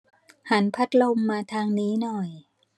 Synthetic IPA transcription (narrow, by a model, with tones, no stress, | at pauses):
ha˩˦npʰa˦˥t̪̚lo˧mːaː˧t̪ʰaː˧ŋniː˦˥nɔ˨˩j